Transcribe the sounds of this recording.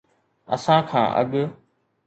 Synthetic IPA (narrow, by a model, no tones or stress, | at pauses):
ɐ̰sãkʰã̰ːʔɐ̰ɠ